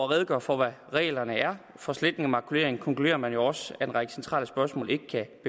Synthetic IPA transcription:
ɐʁɛð̞ˠəɡ̥ɶ̰ɐfɒʋæʁɛ̰ːlɐnəæɐ | fɒ̽sle̝d̥nŋæmɑ̈kʰule̝̰ɐeŋkʰɒ̽ŋkʰlude̝̰ːɐmænjo̝ɒ̽sæ̥enʁɑ̈ɡ̥əsent͡sʰʁɑ̰ːləsb̥ɶɐsmɔ̰̽ːle̝ɡ̥əkʰæb̥e

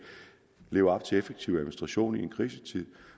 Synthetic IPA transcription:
le̝ːʊɐɒ̽b̥̚t͡sʰe̝efeɡ̥̚t͡sʰiʊæðˠminsd̥ʁɑ̈ɕo̝̰ːnienkʰʁiːsə̥t͡sʰið̰ˠ

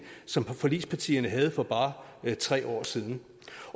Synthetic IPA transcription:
sɒ̽mfɒ̽lḭːspʰɑt͡sʰḭːɐnəɦæð̞̩ˠfɒ̽b̥ɑ̈ːt͡sʰʁɛ̰ːɒ̰ːsiːð̞ˠn̩

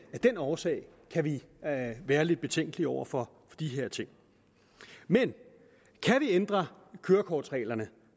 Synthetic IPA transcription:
æd̥en̰ɒːsɛ̰ɪkʰæʋi | ʋæːɐle̝d̥̚b̥e̝t͡sʰeŋ̰ɡ̥əliɒʊɐfɒ̽ | fɒd̥iɦe̝ɐ̰t͡sʰe̝ŋ̰ | men | kʰæʋiend̥ʁɐ | kʰøːɐkʰɒːd̥sʁɛ̰ːlɐnə

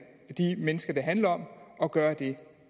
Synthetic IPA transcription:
d̥imenəsɡ̥ɐd̥ɑ̈ɦænlɐɒ̽m̰ɒ̽ɡ̥ɶːɐd̥e̝

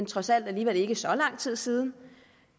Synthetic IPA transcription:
nt͡sʰʁɒ̽sæl̰d̥æliːʋel̰e̝ɡ̥əsɒ̽lɑ̈ŋ̰t͡sʰið̞̰ˠsiːð̞ˠn̩

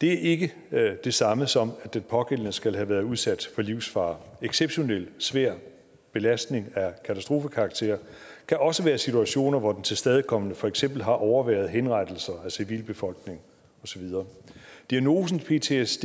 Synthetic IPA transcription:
d̥e̝æɐʔe̝ɡ̥ə | d̥e̝sɑ̈məsɒ̽mæd̥enpʰɒ̽ɡ̥el̰ənəsɡ̥ælɦæʋæːɐuðˠsæd̥fɒ̽liʊ̰sfɑ̈ːeɡ̥seb̥ɕo̝nel̰sʋæɐ̰ | b̥e̝læsd̥ne̝ŋækʰæt͡sʰæsd̥ʁo̝ːfəkʰɑ̈ɡ̥̚t͡sʰe̝̰ːɐkʰæʔɒ̽səʋæːɐsit͡sʰuæɕo̝̰ːnɐʋɒd̥ent͡sʰe̝lsd̥ɛð̞ˠəkʰɒ̽mənəfɒ̽eɡ̥sem̰b̥l̩ɦɑ̈ʔɒʊɐʋæɐð̞ˠɦenʁɑd̥əl̩sɐæsiʋḭːlb̥e̝fɒ̽l̰ɡ̥ne̝ŋ | ɒ̽sɒ̽ʋiðˠɐːd̥iæno̝ːs̬n̩pʰe̝̰ːt͡sʰe̝s

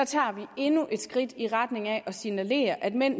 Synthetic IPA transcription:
ɑt͡sʰɑ̰̈ːʋie̝nuʔe̝d̥sɡ̥ʁid̥iʁad̥ne̝ŋɛʔɒ̽sinæle̝̰ːɐʔæd̥men̰

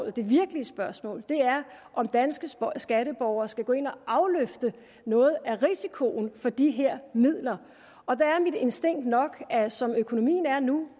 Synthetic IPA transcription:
l̩ˠd̥e̝ʋiɐɡ̥əliəsb̥ɶɐsmɔ̰ːld̥e̝æɐ | ʔɒ̽md̥ænsɡ̥əsɡ̥æɾəb̥ɒʊɐːsɡ̥æɡ̥ɔ̽e̝n̰ɒʔɑ̈ʊløfd̥ə | nɔ̽ːð̞̩ˠæʁisikʰo̝n̩fɒ̽d̥iɦeɐ̰mið̰ˠlɐ | ɒ̽d̥ææɐmid̥e̝nsd̥e̝ŋ̰d̥nɒ̽ɡ̥æsɒ̽møkʰo̝no̝mḭːn̩æɐnu

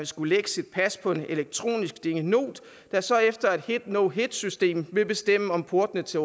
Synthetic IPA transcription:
nsɡ̥uleɡ̥ə̥sid̥̚pʰæspʰɒ̽e̝ne̝leɡ̥̚t͡sʰʁo̝̰ːnisɡ̥d̥e̝ŋəno̝̰ːd̥ | d̥æsɒ̽efd̥ɐe̝d̥hed̥noʊɦed̥sysd̥e̝̰ːmʋe̝b̥e̝sd̥em̰əɒ̽mpʰo̝ɐd̥nət͡sʰe̝

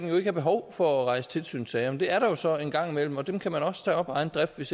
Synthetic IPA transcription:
ɡ̥n̩jo̝e̝ɡ̥əhɑ̈b̥e̝ɦɒʊfɒ̽æʁɑ̈ɪsə̥t͡sʰe̝lsy̰ːn̩sɛːmend̥e̝æɐɾɑ̈jo̝sɒ̽e̝nɡ̥ɑ̈ŋ̰imel̰m̩ɒ̽d̥emkʰæmænɒ̽sə̥t͡sʰɛ̰ːɒ̽b̥ɑ̈ɪn̩d̥ʁɛfd̥ʋe̝s

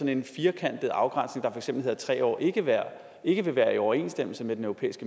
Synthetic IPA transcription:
ɒ̽ne̝nfiːɐkʰæn̰d̥ð̩ˠɑ̈ʊɡ̥ʁän̰sne̝ŋd̥ɑ̈fɒɐeɡ̥semb̥l̩he̝ð̰ˠɐt͡sʰʁɛ̰ːɒ̰ːʔe̝ɡ̥əʋæɐ | e̝ɡ̥əʋe̝ʋæːɐiɒʊɐe̝̰ːnsd̥em̰l̩səmed̥enœʊʁo̝ḛːisɡ̥ə

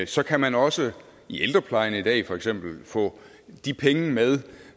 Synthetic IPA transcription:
sɒ̽kʰæmænɒ̽sə | iʔeld̥ʁɐpʰlɑ̈ɪɐnəid̥ɛ̰ːfɒ̽eɡ̥sem̰b̥l̩fɔ̰̽ː | d̥ipʰeŋəmeð̞ˠ

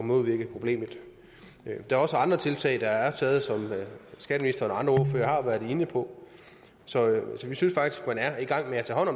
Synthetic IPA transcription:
mo̝ðˠʋiɐɡ̥əpʰʁo̝b̥le̝̰ːməð̩ˠ | d̥ɑ̈æɐɒ̽səɑ̈nd̥ʁɐt͡sʰe̝lt͡sʰɛ̰ɪd̥ɑ̈æɐt͡sʰɛːð̞̩ˠsɒ̽msɡ̥ɛːɾəminisd̥ɐɒnɑ̈nd̥ʁɐoføːɐhɑ̈ʋæːɐðˠe̝nəpʰɒ̽ | sɒ̽sɒ̽ʋisynsfɑ̈ɡ̥d̥isɡ̥mænæɐiɡ̥ɑ̈ŋ̰meæt͡sʰɛ̰ːhɒ̽n̰ɒ̽m

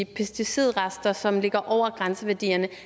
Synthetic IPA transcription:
pʰesd̥isið̰ˠʁasd̥ɐsɒ̽mle̝ɡ̥ɐʔɒʊ̰ɐɡ̥ʁansəʋæɐd̥ḭːɐnə

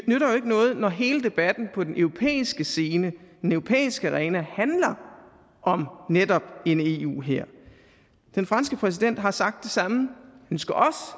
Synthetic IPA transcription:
nøɾɐjo̝e̝ɡ̥ənɔ̽ːð̞̩ˠnɒɦe̝ːləd̥e̝b̥æd̥n̩pʰɒ̽d̥enʔøʊʁo̝pʰḛːisɡ̥əse̝ːnəd̥enøʊʁo̝pʰḛːisɡ̥əɑʁɛːnæhænlɐ | ʔɒ̽mned̥ɒ̽b̥e̝ne̝ːṵːɦeɐ̰ | d̥enfʁɑ̈nsɡ̥əpʰʁɛs̬id̥en̰d̥ɦɑ̈sɑ̈ɡ̥̚d̥ːe̝sɑ̈mhænsɡ̥æʔɒ̽s

